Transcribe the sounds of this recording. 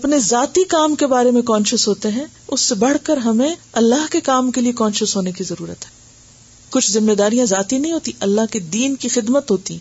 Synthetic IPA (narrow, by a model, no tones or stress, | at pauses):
ɐpnezaːt̪ikaːmkebaːɾemẽkɔ̃ːnʃʊzɦoːt̪eɦɛ̃ | ʊsːebɐɽ̤kəɾɦɐmẽɐlːaɦkekaːmkeliekɔ̃ːnʃəzɦoːnekizɐɾuːɾət̪ɦɛ̥ː | kʊt͡ʃʰzɪmːed̪aːɾijãzaːt̪inɐɦĩɦoːt̪iʔɐlːaɦked̪iːnkixɪd̪mət̪ɦoːt̪iɛ̃